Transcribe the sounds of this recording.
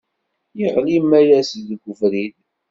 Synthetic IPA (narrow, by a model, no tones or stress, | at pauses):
jiʁlimːæjæsiðɡʷːəfɾin